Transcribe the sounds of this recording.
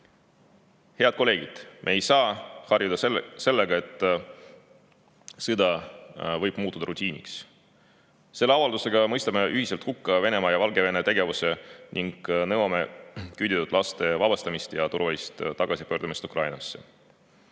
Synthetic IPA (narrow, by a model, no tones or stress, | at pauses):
he̞ɑd̪̚ko̞le̞ːɡ̥id̪̥mʔe̞ːjsɑːhɑrjud̪ɑse̞lːeɡ̥ɑe̞t̪ːˑ | sed̪̥ɑvɤjb̥muːt̪ːˑud̪̥ɑɾʔut̪ʲiːnʲḭks | se̞lːe̞ɑvɑld̪use̞ɡɑmɤjst̪ɑme̞ʔyhiselt̪hukːɑve̞ne̞mɑjɑvɑlɡe̞ve̞net̪e̞ɡe̞vuse̞niŋɡ̥nɤwɑme̞kyd̪ʲit̪ut̪ˑlɑst̪e̞vɑb̥ɑst̪ɑmist̪jɑt̪uɾvɑist̪t̪ɑɡ̥ɑsipøːɾd̪̥umist̪ukrʔɑjnɑsːe̞̰